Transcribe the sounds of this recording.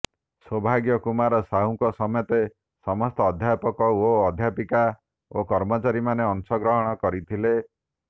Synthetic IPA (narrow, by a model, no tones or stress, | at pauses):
sɔbʱaɡjɔkumaɾɔsaũkɔsɔmɔjɔt̪e | sɔmɔst̪ɔːd̪ʱjapɔkɔoɔd̪ʱjapika | okɔɾmɔt͡ʃaɾimaneɔnsɔɡɾɔɦɔɽ̃ɔkɔɾit̪ʰile